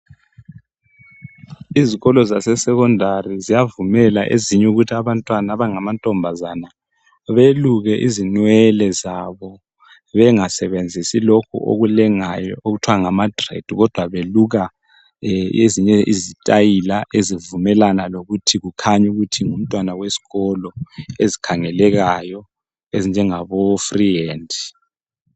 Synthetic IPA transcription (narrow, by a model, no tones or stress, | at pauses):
iziɣɔlɔzasɛsɛkɔndʱarizijavumɛlaʔeziɲɛuɣutʰiaβantʼwanaβaŋamantʼɔmbʱazana | βeluɣɛʔizinwɛlɛzaβɔ | βɛŋasɛβend͡zʱisilokʰṵʔo̰ɣulɛŋajɔoɣutʰwaŋamadrḛd̥ʱuɣɔd̥ʱwaβeluɣa | eziɲɛʔizitʼajilaʔezivumɛlanaloɣutʰiɣukʰaɲuɣutʰiŋum̩tʼwanawesi̥ɣɔlɔezikʰaŋɛlɛɣajɔ | ezind͡ʒʱɛŋaβofrieːndi